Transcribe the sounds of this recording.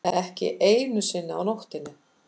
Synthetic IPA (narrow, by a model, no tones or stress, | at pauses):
ɛhcɪ̰ʔeːjnʏsɪnːɪa̰wnowht̪ɪnːʏ